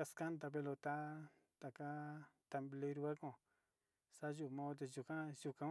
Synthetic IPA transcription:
a˧ska˦nd̪a˧pe˧lo˧t̪a˦ | t̪a˨ka˦t̪a˧mble˧˦ɾu˧βa˦kõ˧˨ | sa˦ʒu˧˨mã˧˦o˧t̪̬e˧ʒu˧kã˦˧ʒu˧kã˧

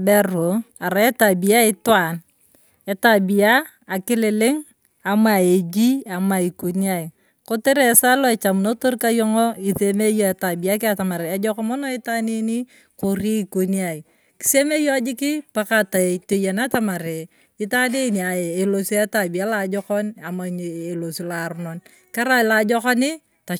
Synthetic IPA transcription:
bɛ˦ro˨a˨ɾa˨e˦ta˨bi˨a˦ɪ˦twa˨n | e˨tabi˨aː˦˨ | kɪ˦lɪ˨lɪ˦ŋ | a˨ma˨e˨d͡ʒi˦a˨ma˨i˨ko˨ni˦a˦i˨ | ko˦te˦ɾe˦sa˦lo˦ɛ˨t͡ʃa˨m˨no˦to˦rka˦jɔ˦ŋɔ˦i˨se˦me˦jɔ˦e˨ta˨bi˨a˦kɪ˦a˨ta˨ma˨ɾe˨a˦d͡ʒɔ˦kɔ˦mɔ˦no˦ɪ˦ta˦ne˦ni˦ | ko˨ɾi˦i˦ko˨nia˨i˨ | ki̥˨se˦me˦jɔ˦d͡ʒɪ˦kɪ˦pa˦kata˨to˦ja˨nata˦ma˨ɾe˨ | ɪ˦ta˦ne˦ni˨a˨e˨lo˨si˦a˦ta˨bi˨a˦lad͡ʒɔ˦kɔ˦na˨ma˨ɲe˨lo˨si˦la˨ɾu˦no˨n | ka˦ɾa˦˨la˨d͡ʒɔ˦ka˦nɪ˦ | ta˨

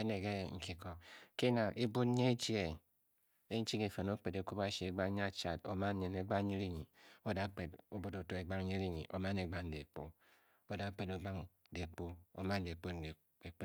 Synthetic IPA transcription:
e˦ne˨ɡe˦ŋ̩˨ki˨ko˨ke˦na˨ʔe˦bu˦tɲe˦e˦t͡ʃi˦e˨ | e˦n̩˦t͡ʃi˦ke˨fe˨no˦k͡pe˨de˨˦ku˦ba˦ʃi˨e˨ɡ͡ba˦ɲ˦a˦t͡ʃa˨do˨ma˦ɲe˨ne˨˦ɡ͡ba˦ɲe˦ɾi˦ɲi˨o˦da˦k͡pe˨do˦bo˦do˨to˦e˨ɡ͡ba˦ŋ˦ɲe˦ɾi˦ɲḭ˨ʔo̰˨ma˦ne˨ɡ͡ba˦n̩˨de˨k͡po˦ | o˦da˨˦k͡pe˨do˨ɡ͡ba˦ŋ˦de˨k͡po˦o̰˨ma˦n̩˦de˨k͡po˦n˨e˨ | e˨k͡p

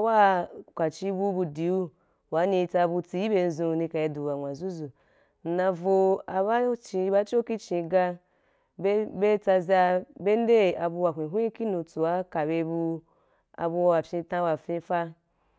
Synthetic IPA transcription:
a˦wa˦kʷa˨t͡ʃi˧bu˧bu˧di˨u˦ | wa˨˦nĩ˧t͡sa˧bu˧t͡si˧ji˦be˧n̩˦zũ˧nĩ˧ka˨i˧du˨wa˨ŋʷã˨zu˦zu˨ | n̩˨nã˧vo˧a˧ba˦t͡ʃĩ˧˦ba˦t͡ʃo˦ki˦t͡ʃĩ˧ɡa˧ | bbe˦t͡sa˧zʲa˧be˦n˦de˦˨a˨bu˧wa˨ɦʷĩ˨ɦʷũ˦i˦ki˦nũ˧t͡su˨wa˦ka˨be˧bu˧ | a̰˧bu˧wa˨fʲĩ˧tã˧wa˨fĩ˧fa˦

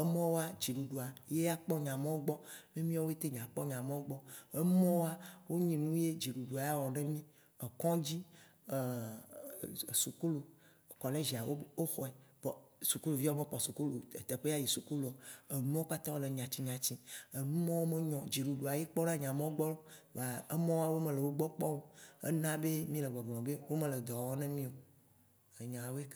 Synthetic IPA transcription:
e˦mɔ̃˦wo˦a˦d͡ʒi˨ɖu˨ɖo˨a˨je˦a˦k͡pɔ˦ɲã˨mɔ̃˦wo˦ɡ͡bɔ˦mẽ˦mĩ˦ɔ˦wo˦e˦t̪e˦ɲã˨k͡pɔ˦ɲã˨mẽ˦wo˦ɡ͡bɔ˦e˦mɔ̃˦wo˦a˦wo˦ɲĩ˨nũ˦je˦d͡ʒi˨ɖu˨ɖu˨a˨ja˦wɔ˨ne˦mĩ˦ | e˨kɔ̃˦d͡ʑi˦˨ | su˨ku˦lu˨ | kɔ˨le˦ʒi˨a˨wo˦o˦xɔ˨ɛ˨bsu˨ku˦lu˨vi˦mẽ˦k͡pɔ˨su˨ku˦lu˨e˨t̪e˨ɸe˦a˦ji˨su˨ku˦lu˨o˨e˨nũ˦o˦k͡pa˦t̪ã˦wo˦le˨ɲã˨t͡ɕi˦ɲã˨t͡ɕi˦e˨nũ˦mã˦wo˦me˦ɲɔ̃˨d͡ʒi˨ɖu˨ɖu˨a˨je˦k͡pɔ˦nã˦ɲã˨mẽ˦wo˦ɡ͡bɔ˦lo˦˨a˨e˦mɔ̃˦wo˦a˨wo˦mẽ˨le˨wo˦ɡ͡bɔ˦k͡pɔ˦wo˦ḛ˦nã˦be˦mĩ˦le˨ɡ͡bɔ˨ɡ͡blɔ̃˨be˦wo˦mẽ˨le˨d̪ɔ˨wɔ˦nɛ̃˦mĩ˦o˨ | e˨ɲã˨wo˦e˦k

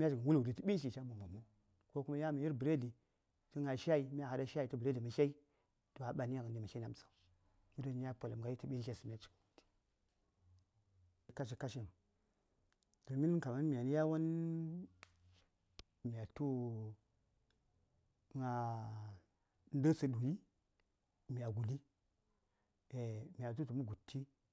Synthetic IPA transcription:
mʲ˦a˦t͡ʃi˨ɡa˨wu˦lu˨di˨tu˦ɓi˦ʃi˨t͡ʃa˦mu˨mo˨mu˦ | ko˦ku˦ma˦ja˦ma˨ji˦ɾbə˨ɾe˦di˨ | ti˦ŋa˨ʃa˦i˨mi˦a˦˨ha˨da˦ʃa˦i˨tu˦bə˨ɾe˦di˨ma˨ʃa˦i˦ | to˨a˨ɓa˨ni˦ja˦ɣə˨n˨di˨ma˨ʃa˦na˦m˨sḁ˨u˨ | ji˦do˦˨ni˦ja˦po˨la˨mɡa˨ji˦ti˦ɓi˦ʃe˦si˨mʲi˦a˦t͡ʃi̥˨ɡu˨di̥˨ | i˨ka˦ʃ̬i˨ka˦ʃi˦m˨ | ɡə˨mi˦ni˦ka˨ma˦n˦mi˨a˨ni˦ja˦wa˦n | mi˨a˨tu˦ | ŋa˨ | n˦də˦sə˨du˨ji˦ | mi˨ja˨ɡu˨li˦ | e˨mi˨a˨t̬u˦tu˨mu˦ɡu˨tʰːi˦

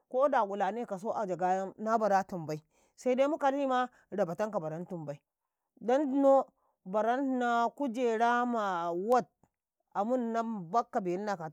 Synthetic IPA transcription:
ko˦da˨ku˨la˨ne˦ka˨s̬o˦ʔa˨d͡ʒa˨ɡa˦ja˦mna˦ba˨ɾa˦tu˨mba˨i˦ | sa˦i˦da˦mu˦ka˨ɾi˦ma˦ | ɾa˨ba˨ta˦ŋka˨ba˨ɾa˦ntu˨mba˨i˦ | da˦n˦no˦ | ba˨ɾa˦n˦na˦ku˦d͡ʒe˨ɾa˦ma˨wa˦t̚ | a˨mu˦nːa˦ba˦kːa˨be˨˦li˦na˨ka˨

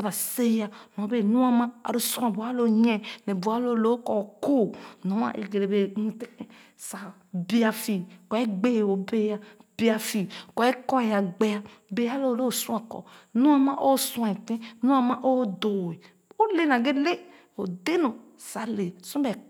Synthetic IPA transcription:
sa˨ba˨se˦ja˨nɔ̃˨˦be˨nũ˦a˦mã˦a̰˨ɾo˦sũ˦ã˨bu˨a˦lo˦ɲɛ̃˦nɛ˨bu˨a˦lo˦˨lo˦kɔ˨ko˦nɔ̃˨˦ã̰˦ʔḛ˨ɡe˨ɾe˨be˨nu˨te˦kẽ˨ | sa˨ | bi˦a˨fi˨kɔ˨ɛ˦ɡ͡be˦˨o˨be˦ja˦b̥i˦a˨fi˨kɔ˨˦ɛ˦kɔ˦˨ja˨ɡ͡be˦a˦be˨˦a˦lo˦˨lo˦˨sũ˦a˨kɔ̰˨nũ˦a˦ma˦ʔo˦sũ˦ã˨e˨tẽ˦nũ˦a˦˨ma˦ʔo˦do˨e˨ | o˦le˦˨na˨ɡe˦le˦ | o˨de˦no˨ | sa˨˦le˨sɔ̃˦be˨

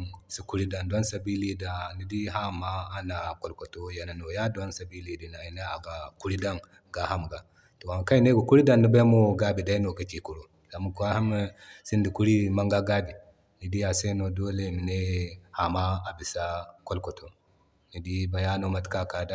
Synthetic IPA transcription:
si˦ku˦ɾi˦da˨nda˦nsa˨bi˦li˦da˨ni˨di˦ɦa˦maː˦na˨ko˨lko˨to˦ja˨na˨no˨ja˦da˦nsa˨bi˦li˨di˨na˨i˨na˦a˨ɡa˨ku˦ɾi˦da˦n | ɡa˨ɦa˦m˨ɡa˨ | to˨a˨ka˦i˦ne˦ɡa˨ku˦ɾi˦da˦˨nːi˦ba˦jmo˦ɡa˦bi˨da˦i˦no˨ɡa˨t͡ʃi˨ku˨ɾo˨ | za˨mu˦ka˦ha˦m˦si˦ndi˨ku˦ɾi˦ma˦ŋɡa˦ɡa˦bi˨ | ni˨di˦a˨se˦no˨do˦le˨mi˨ne˦ha˨ma˦a˨bi˨sa˦ko˦lko˨tʰo˨ | ni˨di˦ba˨ja˦no˦˨ma˨˦tka˦ka˨da˦

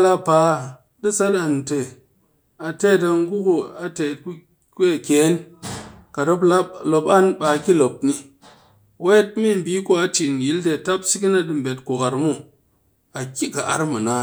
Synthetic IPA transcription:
la˦pa˨ | di˦sa˦da˨n˨te˨ | a˨te˦˨t̬a˧ŋ˦ɡu˦ku˨a˨te˨t̚ku˦ | ka˨kʲe˨˦n | ka˨ɾo˦pla˦lo˨pa˦nba˨kʲi˦lo˨p̚ni˧ | we˦t̚mi˦˨m˨bi˦ku˦a˨ti˨n˨ji˦lte˧˨ta˦psi˦k̬ʲi˦na˦dɨ˨m̩˨bʲe˨t̚ku˨ka˨ɾmu˦ | a˨kʲi˦ka˨ʔa̰˨ɾma˨na˨˦

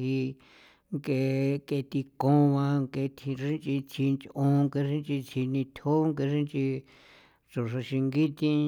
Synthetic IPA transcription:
i˧ | ŋke˧ke˧t̪i˧kõ˧˦˧βã˧ŋke˧t̪ʰi˧ʂi˦nt͡ʃʼi˧t̪ʰi˧nt͡ʃʔõ˧ŋke˧ʂĩ˦nt͡ʃi˧t̪ʰi˧nĩ˧t̪ʰo˦ŋke˧ʂĩ˦nt͡ʃi˧ | t͡so˨ʂa˧ʃi˧ŋɡi˦t̪ĩ˧

